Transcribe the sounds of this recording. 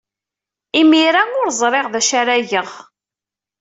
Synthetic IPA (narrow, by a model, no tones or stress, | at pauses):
imiɾaʊɾzˤɾˤeʁðæʃaɾæʝəʁ